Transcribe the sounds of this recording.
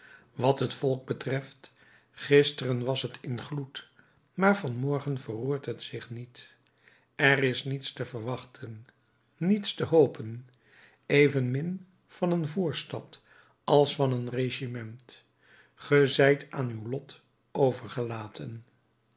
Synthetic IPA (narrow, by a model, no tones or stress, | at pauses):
ʋɑtɦətfɔlˠɡ̚bətrɛft | χɪstərənʋɑsɦətʰɪnχlut | maːɹvɑnmɔɹχənvəruːɹtɦətsɪχnit | ɛrɪsnitstəvəɹʋɑχtʰənː | itstəɦowpən | ejvənmɪn | fɑnənvuːɹstɑt | ɑlˠsfɑnənreʃimɛnt | χəzɛjtʰaːnywlɔt | owvəɹχəlaːtʰən